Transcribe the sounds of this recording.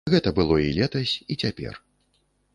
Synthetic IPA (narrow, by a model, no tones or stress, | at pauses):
ɣɛt̪ɐbɨlˠɔilʲɛt̪ɐsʲit͡sʲapʲɛ̰r